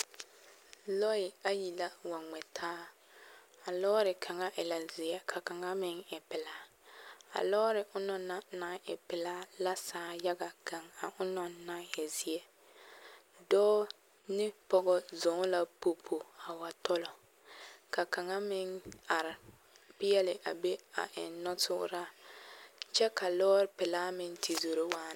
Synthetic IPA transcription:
lɔ˦ɪ˨a˦ji˨la˦wa˨ŋ͡mɛ˨tʰaː˦ | a˨lɔː˦ɾɪ˨kʰa˨ŋa˦ʔɪ˨la˨zɪ˨ɛ˦kʰa˨ka˨ŋa˦mɪ˦ŋɪ˨pɪ˨la˦ | a̰˨lɔː˦ɾɪ˨ʔʊ˦nɔ˨na˦na˨˦ŋɪ˨pɪ˨la˦la˦saː˨˦ja˦ɡa˨ka˨ŋa˨ʔʊ˦nɔ˨na˦ŋɪ˨zɪ˨ɛ˦ | dɔː˦ | nɪ˦pɔ˦ɡɔ˦zʊ˨˦ŋ˦la˦po˨pʰo˨a˨wa˨tɔ˦lɔ˨ | ka˨ka˨ŋa˦mɪ˦ŋa˨ɾɪ˨ | pɪ˦jɛ˦lɪ˨ʔa˨be˦a̰˨ʔɪ˨n˦nɔ˦tʊ̰˦ɾa˦ | t͡ʃɛ˦ka˨lɔː˦ɾɪ˨pɪ˨la˦mɪ˨ŋtʰi˨zo˨ɾo˦waː˦

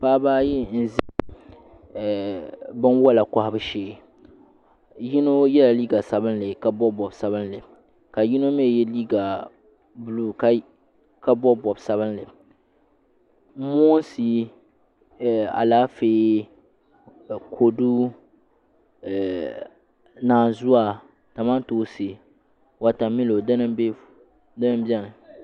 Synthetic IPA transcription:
paː˦baː˦ji˦n̩˨zi˦˨ | bɨ˦nwɔ˦la˨ka˦ha˦bɨ˦ʃeː˦ | ji˦no˦jɛ˦la˨liː˦ɡa˨sa˦bɨ˦nlɨ˨ka˨bɔ˦bɔ˨bsa˦βɨ˦nlɨ˨ | ka˨ji˦no˦me˦˨jɛ˦liː˦ɡa˨ | bu˨luː˨ka˦ | ka˦bɔ˦bɔ˨bsa˦bɨ˦nlɨ˨˦ | mɔ˦nsi˦˨ | a̰˨laː˦feː˦˨ | kʰo˨du˦˨ | naː˨zu˦a˦˨ | ta˨ma˦n˦toː˦se˨ | wa˨ta˨mi˦lo˨da˦nɨ˦be˦ | da˦nɨ˦mbi˦a˦nɨ˨

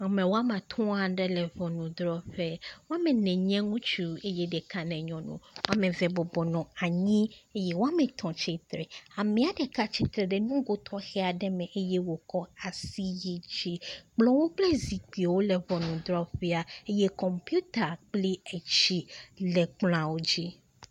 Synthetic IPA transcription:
a˨mɛ̃˨wo˦a˦mã˨t̪ʰɔ̃˦a˦ɖɛ˦lɛ˨vɔ˨nũ˨d̪ɾɔ˦ɸɛ˦wo˦a˦mɛ̃˨nɛ̃˨ɲɛ̃˦ŋũ˦t͡ʃu˦e˦jɛ˦ɖɛ˨ka˦nɛ̃˨ɲɔ̃˨nṵ̃˨wo˦a˦mɛ̃˨vɛ˨bɔ˨bɔ˨nɔ̃˨a˨ɲĩ˦e˦jɛ˦wo˦a˦mɛ̃˨t̪ʰɔ̃˨t͡ɕe˦t̪ɾɛ̰˨a˨mɛ̃˨a˨ɖɛ˨ka˦t͡ɕi˦t̪ɾɛ˨ɖɛ˨nũ˦ɡo˦t̪ʰɔ˦xɛ˦a˨ɖɛ˦mɛ̃˨ʔe˦jɛ˦wo˨kɔ˦a˨si˦je˨d͡ʑi˦k͡plɔ̃˨wo˦k͡plɛ˦zi˨k͡pi˨wo˦lɛ˨vɔ˨nũ˨d̪ɾɔ˦ɸɛ˦a˨e˦jɛ˦kɔ˨mpju˦t̪a˨k͡pli˦e˨t͡ɕi˦lɛ˨k͡pl̃ã˨wo˦d͡ʑi˦

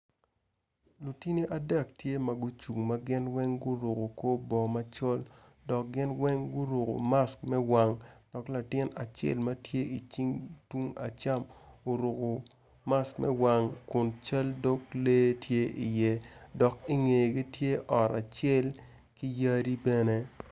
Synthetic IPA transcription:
lu˨ti˦ni˦ʔa˨dɛ˨ktje˦mɐ˨ɡʊ˦t͡ʃu˨ŋma˦ɡɪ˦nwɛ˦ŋɡʊ˦ɾo˨ko˨ko˦bɔ˨ma˦t͡ʃɔ˦l | dɔ˨k̚ɡɪ˦nwɛ˦ŋɡʊ˦ɾo˨ko̰˨ma˦skmɛ˦wa˨ŋd̥ɔ˨kla˨tɪ˦na˨t͡ʃḛ˦˨lmɐ˦tje˦i˨t͡ʃi˦ŋtu˦ŋa̰˨t͡ʃa˦mo˨ɾo˨ko˨ | ma˦skmʔɛ̰˦wa˨ŋkʊ˨nt͡ʃa˦ldo˦kle˦tʰje˦ʔi˨jɛ˦dɔ˨ki˦ŋe˨ɡi˦tje˦ʔɔ˨ɾa˨t͡ʃɛ˦˨l | ki˦ja˦ɾi˦bɛ˦ne˦

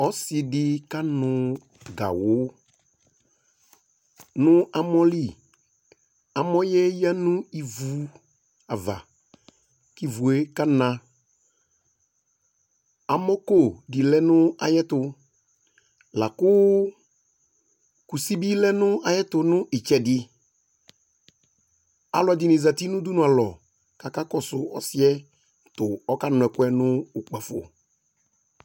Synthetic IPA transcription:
ɔ˦sɪ˨dɪ˨ka˦nʊ̃˨ | ɡa̰˨wʊ˦ | nʊ̃˦a˨mɔ˦li˦˨ | a˨mɔ˦jɛ˦ja˦nʊ̃˦i˨vu˨ | a˨va̰˨ | ki˦vu˨e˦ka˦nã˨ | a˨mɔ˦ko˦˨dɪ˨lɛ˦nʊ̃˦a̰˨jɛ˦tʊ˨ | la˨kʊ˦ | ku˨si˦bi˦lɛ˦nʊ̃˦a˨jɛ˦tʊ˨nʊ̃˦ʔɪ˨t͡ʃɛ˨dɪ˨ | a̰˨lɔ˨a˨dɪ˨nɪ˨za˨ti˦nʊ̃˦du˦nʊ̃˨a˨lɔ˨ | ka˨ka˦kɔ˦sʊ˨ɔ̰˦sɪ˦ɛ˦ | tʊ˨ɔ˦ka˦nʊ̃˨ɛ˨kʊ˦ɛ˦nʊ̃˦u˨k͡pa˨fo̰˨

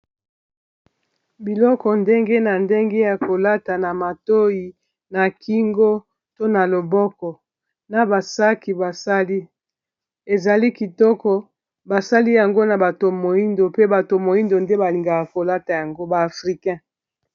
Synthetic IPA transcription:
bi˨lɔ˦kɔ˨nde˦ŋɡe˦na˨nde˦ŋɡe˦ja˨ko˨la˦ta˨na˨ma˨to˦i˨ | na˨ki˦ŋɡo˦ | to˦na˨lo˨bɔ˦kɔ˨ | na˨ba˨sa˦ki˨ba˨sa˦li˦ | e˨za˨li˦ki˨tɔ˦kɔ˨ | ba˨sa˦li˦ja˨ŋɡo˦na˨ba˨to˨mo˨i˦ndo˨pe˦ba˨to˨mo˨i˦ndo˨nde˦ba˨li˨ŋɡa˨kko˨la˦ta˨ja˨ŋɡo˦baː˨fʁi˨kɛ̃˦

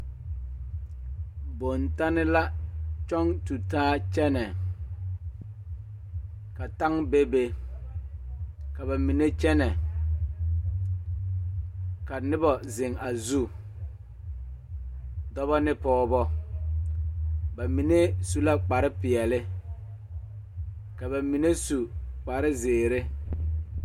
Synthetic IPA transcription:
bo˨nta˦nɪ˦la˦t͡ʃɔ˦ŋtu˨taː˦t͡ʃɛ˦nɛ˨ | ka˨ta˦ŋbe˦be˦ | ka˨ba˨mi˨ne˦t͡ʃɛ˦nɛ˨ | ka˨nɪ˦bɔ˨zɪ˨ŋa˨zu˦ | dɔ˦βɔ˦nɪ˦pɔː˦bɔ˦ | ba˨mi˨ne˦su˦la˦k͡pa˨ɾɪ˦pɪ˨ɛ˨lɪ˦ | ka˨βa˨mi˨ne˦su˨k͡pa˨ɾɪ˦zeː˨ɾɪ˦

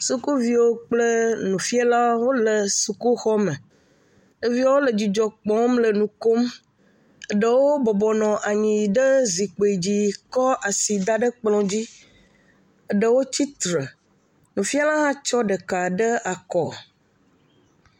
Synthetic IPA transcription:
su˦ku˦vi˦wo˦k͡plə˦nũ˨fi˦a˦la˦wo˦lə˨su˨ku˦xɔ˦mə˨ | ə˦vi˦a˦wo˦lə˨d͡ʑi˨d͡ʒɔ˨k͡pɔ̃˨˦mlə˨nũ˨ko˦m | ə˨ɖə˨wo˦bɔ˨bɔ˨nɔ̃˨ʔa˨ɲĩ˨ɖə˦zi˨k͡po˨e˨d͡ʑi˦kɔ˦ʔa˨si˨d̪a˦ɖə˦k͡plɔ̃˨d͡ʑi˦ | ə˨ɖə˨wo˦t͡ɕi˦t̪ɾə˨ | nũ˨fi˦a˦lã˦ɦã˦t͡ʃɔ˦ɖə˨ka˨ɖə˦a˨kɔ˨

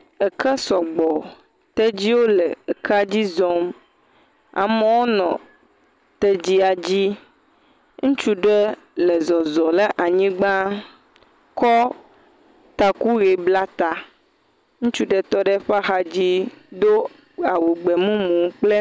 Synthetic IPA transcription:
ɛ˨kɛ˦sɔ˨ɡ͡bɔ˨ | t̪ɛ˦d͡ʑi˦wo˦lɛ˨e˨kʰa˦d͡ʑi˦zɔ˦m | a̰˨me˦wo˦nɔ̰̃˨ | t̪ɛ˦d͡ʑi˦a˨d͡ʑi˦ | ŋũ˦t͡ʃu˦ɖɛ˦ | lɛ˨zɔ˨zɔ˨le˦ʔa˨ɲĩ˦ɡ͡bã˦ | kɔ˦ | t̪a˨ku˦ɣe˨bla˦t̪a˨ | ŋũ˦t͡ʃu˦ɖɛ˦t̪ɔ˦ɖɛ˦ɸa˦xa˦d͡ʑi˦d̪o˦ | a˨wu˨ɡ͡bɛ˨mũ˦mũ˨˦k͡ple˦

